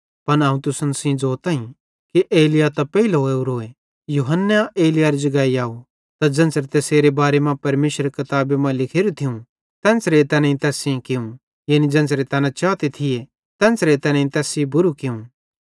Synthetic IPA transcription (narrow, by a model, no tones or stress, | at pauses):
pɐnãːũt̪ʊsənsĩd͡zoːt̪ãːĩ | kiʔeːlɪjat̪ɐpɛilɦoːeuɾoːe | juːɦənːeʔeːlɪjaɾid͡ʒɐɡaːiaːu | t̪ad͡ʒɐ̃nsɾet̪eːseːɾebaːɾemãpɐɾmeːʃəɾekɐt̪aːbemãlɪkʰeːɾut̪ʰɪũ | t̪ɛ̃ːnsɾet̪ɛːnãĩt̪ɛːsĩkɪũ | jaːnid͡ʒɐ̃ːnsɾet̪ɛːnãt͡ʃaːt̪et̪ʰɪje | t̪ɛ̃ːnsɾet̪ɛːnãĩt̪ɛːsibʊɾukɪũ